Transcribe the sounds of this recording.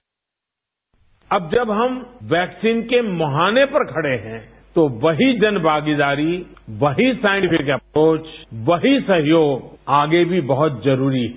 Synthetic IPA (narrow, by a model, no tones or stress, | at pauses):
ɐb̚d͡ʒɐbɦɐmʋɛːksiːnkemɐɦaːnepɐɾkʰɐɽeɦɛ̃ | t̪oʋɐɦid͡ʒɐnbʱaːɡid̪aːɾiʋɐɦisaːɪ̃ɳʈɪpʰɪkɐpɾoːt͡ʃʋɐɦisɐɦjoːɡaːɡebʱibɐɦʊt̪zɐɾuːɾiɦ